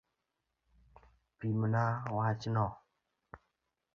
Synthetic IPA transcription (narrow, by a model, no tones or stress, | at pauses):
pimənawat͡ʃinɔ